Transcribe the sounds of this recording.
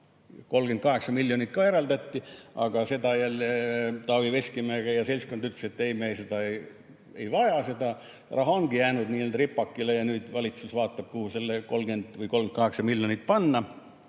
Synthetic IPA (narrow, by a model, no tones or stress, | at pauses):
ko̞lɡ̥ent̪kɑɦe̞ksɑmilʲːjonit̪̚kɑeɾɑld̪ɑt̪ːiɑ̰ɡ̥ɑse̞d̪ɑjælt̪ɑʋiʋesʲkimæːɡ̥ejɑse̞lʲskond̪yt̪leset̪ːeimesed̪ɑe | ḛjvɑjɑse̞d̪ɑ | rɑɦɑoŋɡ̥ijæːnud̪niːlnʲt̪ripːɑkːilejɑnyːd̪̥vɑlit̪susvɑːt̪ːɑb̥̚kuhuselːeko̞lɡ̥end̪̥vəjkolɡ̥et̪kɑɦeksɑmiljonit̪̚pɑnːɑ